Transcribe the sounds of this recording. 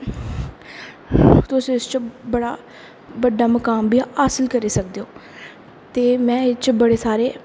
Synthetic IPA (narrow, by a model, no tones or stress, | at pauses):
t̪ʊsĩːɪst͡ʃbəɽaː | bəɖːaːməkaːmbiːaːsəlkəɾiːsək̚d̪eːõː | t̪eːmɛ̃ːɪt͡ʃbəɽeːsaːɾeː